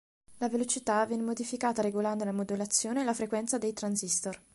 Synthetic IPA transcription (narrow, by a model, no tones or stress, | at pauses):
lavelot͡ʃit̪avːjɛnemod̪ifikaːt̪aɾeɡoland̪olamod̪ulat̪sːjoːnelafɾekwɛnt̪sad̪ejt̪ɾansist̪or